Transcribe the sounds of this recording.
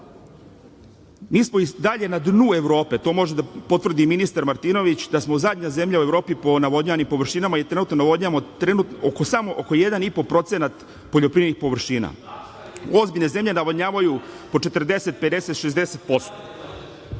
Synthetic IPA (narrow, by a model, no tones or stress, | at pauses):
miːsmo̞id̪aʎe̞nad̪nue̞ʋɾo̞ːpe̞t̪o̞ːmo̞ʒed̪apo̞t̪ʋvr̩d̪iminist̪aɾmaɾt̪ino̞ʋit͡ɕd̪asmozad̪ɲaze̞mʎaue̞ʋɾo̞ːpipo̞naʋodɲaːnimpo̞ʋr̩ʃinamajet̪ɾe̞nuːt̪nonaʋo̞dɲamot̪ɾenut̪okosamo̞ʔoko̞je̞d̪anipo̞pɾo̞t̪senat̪ | po̞ʎopɾiːʋeɾnixpo̞ʋr̩ʃiːna̰ | o̞zbiʎneze̞mʎʲe̞naʋoɲaːʋaju | po̞t͡ʂe̞t̪r̩d̪e̞se̞t̪̚pe̞d̪e̞se̞t̪ʃe̞zd̪eset̪po̞st̪o̥